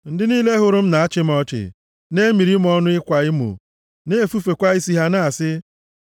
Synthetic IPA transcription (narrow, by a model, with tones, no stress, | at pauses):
n̩˦dɪ˦niː˦le˦ɦʊ˨ɾʊ˦m̩˦na˨a˦t͡ʃɪ˦m̩˦ɔ˦t͡ʃɪ̰˨ | ne˦mi˨ɾi˦m̩˦ɔ˦nʊ˦ɪ˦kʷa˨ɪ˦mṵ˨ | ne˦fu˦fe˨kʷa˦i˦si˦ɦa˦na˦a˨sɪ˦